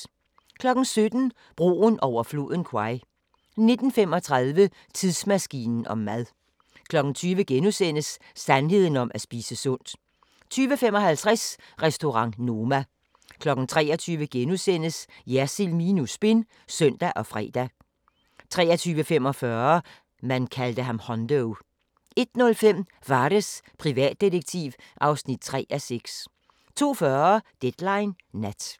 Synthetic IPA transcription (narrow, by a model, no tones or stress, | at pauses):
kʰlɒ̽ɡ̥n̩sød̥n̩ | b̥ʁo̝̰ːnʔɒʊ̰ɐflo̝ːðˠn̩kʰwɑ̈ɪ | ne̝d̥n̩fem̰ɒ̽t͡sʰʁɑ̈ðˠʋə | t͡sʰiðˠsmæsɡ̥ḭːnn̩ɒ̽mːæðˠ | kʰlɒ̽ɡ̥n̩t͡sʰyːʋəɡ̥enusen̰əsː | ænɦe̝ð̞̰ˠn̩ɒ̽mʔæsb̥iːsəsɔn̰d̥ | t͡sʰyːʋəfemɒ̽hælt͡sʰʁɛs | ʁɛsd̥o̝ʁɑ̈ŋ̰no̝mæ | kʰlɒ̽ɡ̥n̩t͡sʰʁɛ̰ːɒt͡sʰyːʋəɡ̥enusen̰əs | jæsilminusb̥e̝n | sœn̰d̥æʔɒ̽fʁɛ̰ːd̥æ | t͡sʰʁɛ̰ːɐt͡sʰyːʋəfem̰ɒ̽fɶɐ | mænkʰæld̥əɦɑ̈mhɒnd̥əʊ | e̝d̥nɔ̽lfem̰ | ʋɑ̈ːɾ̥əspʰʁiʋɛ̰ːd̥̚ːidəɡ̥̚t͡sʰiːʋʔɑ̈ʊsnid̥̚t͡sʰʁɛ̰ːʔæseɡ̥s | t͡sʰo̝̰ːfɶːɐɐd̥ed̥lɑ̈ɪnː | æd̥